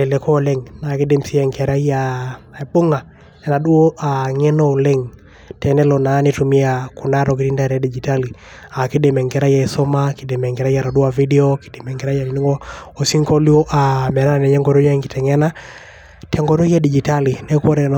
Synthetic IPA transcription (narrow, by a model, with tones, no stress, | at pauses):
ɛ˨lɛ˨kɔ˦lɛŋna˨ki˦de˦msi˦ɛ˨ŋkɛ˨ɾa˦ja˨e˨ɓo˦ŋa˨ | ɛ˨ɾa˨ɗu˦o˦ʔa˨ŋɛ˦no˦˨lɛ˦ŋ | tʰɛ˨nɛ˦lɔ˨na˨˦ni˦tu˨mi˦aku˨na˦ɾɔ˨k̬i˨ɾi˦nda˨ɾɛ˨˦di˨d͡ʒi˨ta˦li˨ | a˨ki˦de˨mɛ˨ŋɡɛ˨ɾa˦ja˨i˨so˦ma˦ki˨de˨mɛ˨ŋɡɛ˨ɾa˦ja˨ɾa˨du˦a˨vi˦dɛ˦o˦ki̥˨de˨mɛ˨ŋɡɛ˨ɾa˦ja˨i˨ni˦ŋɡɔ˦o˨si˦ŋkɔ˦ljo˦ʔa˨mɛ˨ɾa˦na˨nɛ˨ɲɛ˦ŋɡɔ˨ɾo˦ja˦ŋɡi˨tɛ˨ŋɛ˦na˦ | tʰɛ˨ŋɡɔ˨ɾo˦jɛ˦di˨d͡ʒi˨ta˦li˨nɛ˦ko˦ɾɛ˨n